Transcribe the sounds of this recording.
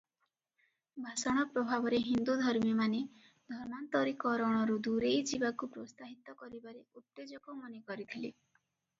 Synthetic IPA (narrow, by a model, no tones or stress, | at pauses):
bʱasɔɽ̃ɔpɾɔbʱabɔɾeɦind̪ud̪ʱɔɾmimane | d̪ʱɔɾmant̪ɔɾikɔɾɔɽ̃ɔɾud̪uɾejd͡ʒibakupɾost̪aɦit̪ɔkɔɾibaɾeut̪ːed͡ʒɔkɔmɔnekɔɾit̪ʰili